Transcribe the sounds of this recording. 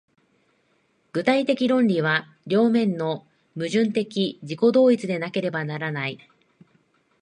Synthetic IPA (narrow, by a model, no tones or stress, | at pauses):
ɡ̥ɯ̟t̪ait̪e̞kʲiɾõ̞nɾʲiβ̞a | ɾʲo̞ːmẽ̞nːo̞ | mɯ̟ʑɨ̃nt̪e̞kʲid͡ʑiko̞d̪o̞ːit͡sɨd̪e̞nake̞ɾe̞banaɾanai